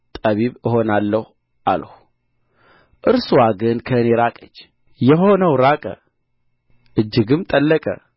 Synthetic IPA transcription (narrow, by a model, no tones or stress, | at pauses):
t̪ʼəβiβɨɦo̞nalːəh | ʔa̰lhu | ʔɨɾsuwaɡɨnkʰəneɾakʼət͡ʃː | jɛɦo̞nəwɾakʼə̰ | ʔɨd͡ʒːɪɡɨmt̪ʼəlːəkʼə̰